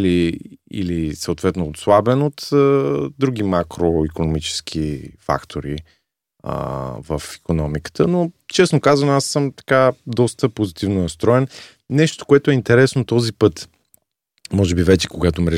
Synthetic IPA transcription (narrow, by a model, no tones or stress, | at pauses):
liḭlisəot̪vɛt̪noːt̪slˠabɛnot̪əd̪ɾuɡ̟imakɾoikonomit͡ʃɛ̥sk̟ʰifa̰kt̪ʰoɾi | ə̰vəfi̥konɔmikə̥t̪ənot͡ʃɛsnokazvənoasːɤmt̪ɐ̥kad̪ɔst̪əpozit̪ivnonɐst̪ɾɔɛn | nɛʃt̪o̥koɛt̪ʊɛint̪ɛɾɛsnot̪ɔzipɤt̪ | mɔʒɛbivɛt͡ʃɛ̥koɡat̪omɾɛ